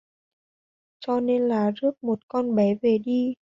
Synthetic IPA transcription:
t͡ɕɔ˧ne˧nlaː˨˩zɨ˦˥ək̚mo˨˩t̚kɔ˧nɓɛ˨˦ve˨˩ɗi˧

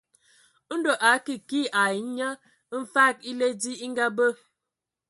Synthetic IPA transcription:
n̩˦do˨ʔa˨˦ki˨ki˦ʔa˨˦ɲa˦ | m̩˦fa˦˨k̚i˦le˦di˦i˦ŋ˦ɡa˦bə˦

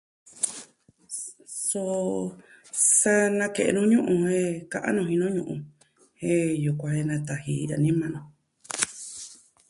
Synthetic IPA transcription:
so˧ | sa˦nã˧ke˨ʔḛ˧nũ˦ɲũ˦ʔũ˧he˦kã˧ʔã̰˦nõ˧hĩ˧nũ˦ɲũ˧ʔṵ̃˧ | hẽ˦ju˧kʷã˧he˧nã˧t̪a˨hi˧ɾa˧˨nĩ˦mã˧nõ˨

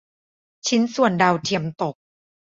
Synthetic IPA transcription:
t͡ɕʰi˦˥nsu˨˩əndaː˧wt̪ʰi˧əmt̪o˨˩k̚

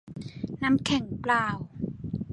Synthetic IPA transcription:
na˦˥mkʰɛ˨˩˦ŋplaː˧˩w

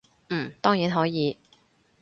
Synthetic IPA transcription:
m̩˥˨˩t̪ɔː˥ŋjiː˨˥nɦɔː˨˥jiː˨˧

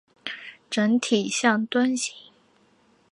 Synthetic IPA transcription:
ʈ͡ʂə˧˥ŋt̪ʰi˨˩ɕjɑ˥˩ŋt̪wa˥nɕi˧˥ŋ

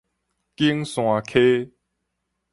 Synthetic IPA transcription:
ki˦ŋsw̃ã˨˩kʰe˦

